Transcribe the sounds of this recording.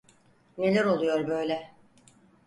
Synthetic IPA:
ne̞lʲæɾo̞lˠujo̞ɾbø̞jlʲɛ

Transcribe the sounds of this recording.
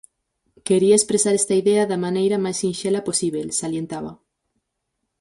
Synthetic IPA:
keɾiaespɾesaɾest̪ɐiðeɐðɐmanejɾɐmajsinʃelɐposiβelsaljent̪aβɐ

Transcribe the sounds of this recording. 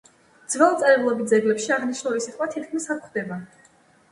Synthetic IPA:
d̪z̥vɛlˠt̪sʼɛɾɛblˠɔbit̪̚d̪zɛɡlɛpʃiaʁniʃnulisit̪ʼχʼwat̪ʰit̪̚ʰkʰmisakχd̪ɛba

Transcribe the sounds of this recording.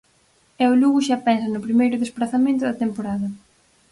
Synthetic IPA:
ɛʊluɣʊʃapɛnsɐnʊpɾimejɾʊðespɾaθamẽnt̪ʊðɐt̪empoɾaðɐ

